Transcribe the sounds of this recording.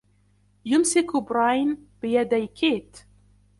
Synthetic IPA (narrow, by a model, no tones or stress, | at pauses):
jʊmsɪkʊbɾˤajnbɪjad̪ajkʰiːt̪